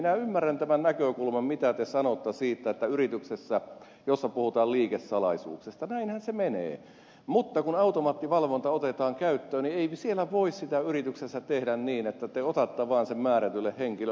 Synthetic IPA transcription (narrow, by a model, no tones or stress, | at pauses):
minæymːærːænt̪æmænnækøkulmɑmmit̪æt̪esɑnot̪ːɑsiːt̪ːæet̪ːæyrit̪yksesːæ | josːɑpuhut̪ɑːliːkesːɑlɑ̰isṵːksest̪ɑnæinhænsemenḛː | mut̪ːɑkunɑut̪omɑːt̪ːiʋɑlʋont̪ɑot̪et̪ɑːŋkæyt̪ːøːnieisielːæʋoissit̪æyrit̪yksesːæt̪ehdænniːnet̪ːæt̪eot̪ɑt̪ːɑʋɑːnsemmæːɾæt̪ylːehheŋkilø